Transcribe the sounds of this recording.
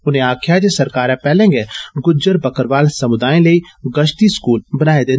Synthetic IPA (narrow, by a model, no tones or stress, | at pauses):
ʊn̤ẽaːkʰjad͡ʒesɐɾkaːɾɛ̃pɛːlẽŋɡeɡʊd͡ʒəɾbɐkəɾʋaːlsɐmʊd̪aːẽlei | ɡɐʃt̪iskuːlbɐnaːed̪ẽːn